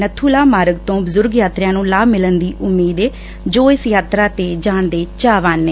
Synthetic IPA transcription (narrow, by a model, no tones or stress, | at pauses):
nət̪ʰuːlaːmaːɾəɡt̪õːbəzʊɾɡjaːt̪ɾjãːnũːlaːbmɪlənd̪iːʔʊmːiːd̪eː | d͡ʒoːɪsjaːt̪ɾaːt̪eːd͡ʒaːɳd̪eːt͡ʃaːʋaːnːeː